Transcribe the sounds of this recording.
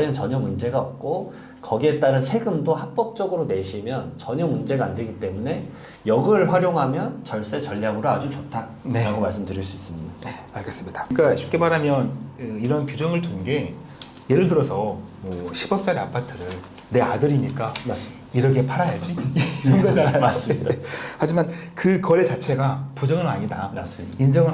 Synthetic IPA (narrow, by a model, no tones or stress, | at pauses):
ʌnt͡ɕʌɲʌmund͡ʑe̞ɡaʌp̚k͈o | kʌɡie̞t͈aɾɯnsʰe̞ɡɯmdohak̚p͈ʌk̚t͡ɕ͈ʌɡɯɾone̞ɕʰimjʌnt͡ɕʌɲʌmund͡ʑe̞ɡaande̞ɡit͈e̞mune̞ | jʌɡɯɭɸwaɾjoŋɦamjʌnt͡ɕʌɭs͈e̞t͡ɕʌʎːaɡɯɾoad͡ʑut͡ɕotʰa | neɾaɡomaɭs͈ɯmdɯɾiɭs͈uis͈ɯmɲidae | aɭɡes͈ɯmɲidḁk͈aɕʰi̥p̚k͈e̞baɾamjʌnɯiɾʌnkjud͡ʑʌŋɯɭtunɡe̞ | je̞ɾɯɭtɯɾʌsʰʌmʌɕʰibʌp̚t͡ɕ͈aɾeapʰatʰɯɾɯn | ne̞adɯɾiɲik͈aas | iɾʌkʰepʰaɾajad͡ʑiiʌnɡʌd͡ʑaaas͈ihad͡ʑimankɯkʌɾe̞t͡ɕat͡ɕʰe̞ɡapud͡ʑʌŋɯɾa̰ɲidanas͈ɯ | ind͡ʑʌŋɯ